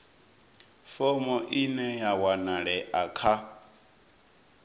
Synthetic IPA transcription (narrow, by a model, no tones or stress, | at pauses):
fɔmɔʔinɛjawanaɺɛʔakʰa